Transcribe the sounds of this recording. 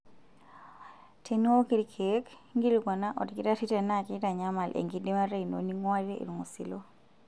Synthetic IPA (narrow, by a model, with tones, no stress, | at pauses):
tʰe˨n˦o˦ki˦ɾkʰe˦kŋɡi˦liɡɔ˨na˦ʔɔ˨dkɪ˦ta˦ti˦te˨na˦˨ki˦ta˨ɲa˦ma˨lʔḛ˨ŋɡi˨di˦ma˦ɾe˦i˨no̰˨ni˦ŋwa˦ɾe˦ʔḭ˨lu˨ŋo˨sḭ˨lo˦